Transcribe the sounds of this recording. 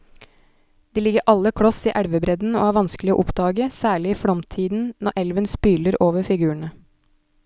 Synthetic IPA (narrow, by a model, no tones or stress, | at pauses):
d̪̥iːlɪɡəɾʔɑlːəkʰɽɔsiːʔæɽʋəbɾɛd̪n̩o̰ːhæːɾʋɑnsklɪo̰ʔʊpd̪ɑːɡəsæːɭɪiːfɽɔmt̪ʰiːd̪n̩nɔʔɛlʋənspyːləɾʔoːʋəfɪɡʉːəɳə